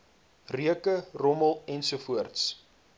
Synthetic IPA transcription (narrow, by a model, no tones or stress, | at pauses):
riəkərɔməlˠɛnsuəfuərts